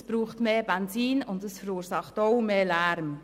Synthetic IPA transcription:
sb̥ɾuːχtmeːbɛnziːnʊndəsfəɾuːɾsɑχtoʊmeːlæɾm

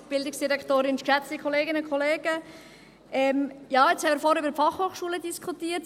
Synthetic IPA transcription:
b̥ɪldɪksd̥iɾɛktoːɾɪnʃkʃæsikʰχɔleːɡɪnəkʰχɔleːɡ̥ə | ɛmjɑːɪt͡shɛmɪɾfɔɾybəɾfɑχhoːχʃuːlədiskʰutiːət

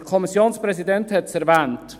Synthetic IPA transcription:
əkʰɔmisjoːnspɾɛsidɛnthɛtsæɾvɛːnt

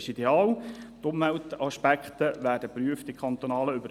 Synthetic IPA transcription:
ʃideɑːlt̪ʊmʋæltɑʃpækχt̪əʋæːɾdəpɾyəftikχɑnt̪onɑːləybə

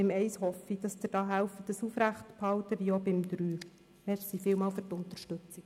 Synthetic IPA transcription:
ɪmɛɪshɔfid̥ɑsd̥̪əd̥ɑːɦælfədəsufɾæχtphɑwtəʋiobɪmd̪ɾyː | mɛsifɪlmɑːlfʏrtʊnt̪əɾʃtɵt͡sik

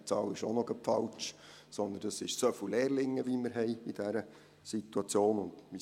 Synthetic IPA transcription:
t͡sɑːlɪʃonɔɡəpfɑlt͡ʃ | sɔnd̪əndɑsɪʃsøfuleːɾlɪŋːəʋiməɾɦɛɪid̥æɾə | sit̪uɑt͡sjoːnʊnd̥̪mi

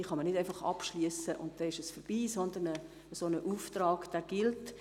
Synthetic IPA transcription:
iːχɑmənɪdæɪfɑχɑ̰pʃlyəsəʔʊ̰nt̚d̥ɛɪʃəsfəɾb̥iːsɔndənə | sonəʔuːftrɑːɡ̥d̥æːɡ̥ɪlt

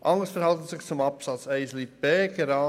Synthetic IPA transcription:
ʔɑŋəsfəɾhɑlt̪n̩sɪxt͡sʊmɑpsɑt͡sɛɪslit̚b̥ɛːɡəɾɑː

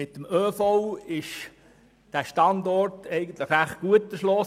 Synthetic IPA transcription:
ɪt̪ːəmøːfoʊɪʃ | d̥æːʃtɑndɔrtɛɪɡən̩tləχæχɡ̥uətːəʃlɔ

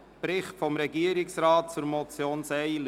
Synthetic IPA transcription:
pɾɪχtfɔmɾɛɡiəɾɪksɾɑːt̚t͡sʊɾmɔt͡sjoːnsɛɪl

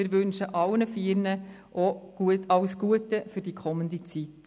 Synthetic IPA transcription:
ɪɾʋɵnʃəʔɑwnəfiːɾnə | ʔoɡ̥uətɑʊsɡ̥uətəfyɾdikʰɔmːəndit͡sit

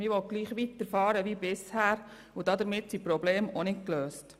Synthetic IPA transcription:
mɪʋɔɡ̥liːχʋit̪əɾfɑːɾəʋiːbɪshæːɾ | ʊd̥ɑd̪əɾmɪtsipɾɔbleːmonɪtkløːst

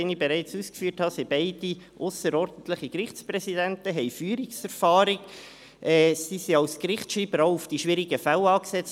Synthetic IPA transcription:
ɛnibɛɾɛɪt͡suːskfyːthɑsibɛɪd̥i | ʔʊsəɾɔɾd̥n̩t̪ləχəkɾɪχsprɛsidɛntəɦɛɪfyːɾɪksɛɾfɑːɾɪɡ | ʔɛːsisiɑlskɾɪχtʃiːb̥əɾaʊufd̥iʃʋɪɾɪɡəfælɑːksɛt͡s

